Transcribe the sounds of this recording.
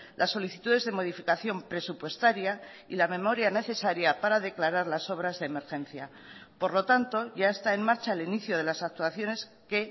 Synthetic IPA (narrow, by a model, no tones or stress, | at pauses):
lʔasːo̞liθit̪uðe̞zðe̞mo̞ð̞ifikaθjo̞mpɾe̞supwe̞st̪aɾja | ilame̞mo̞ɾjane̞θe̞saɾjapaɾaðe̞klaɾaɾlaso̞β̞ɾazðe̞ːme̞ɾxẽ̞n̟θja | po̞ɾlo̞t̪ant̪o̞ʝae̞st̪ae̞mmaɾt͡ʃaeliniθjoðe̞lasak̚t̪uaθjo̞ne̞s | ke̞